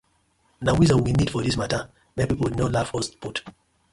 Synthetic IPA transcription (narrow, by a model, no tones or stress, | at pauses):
nawizəwinid̥fɔðismatə | mɛpipl̩widnɔlafɔstput